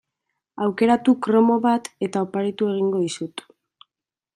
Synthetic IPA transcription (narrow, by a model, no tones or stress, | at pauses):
awke̞ɾat̪ukɾo̞mo̞βat̪e̞t̪aopaɾet̪ue̞ɣ̞iŋɡo̞ðisut̪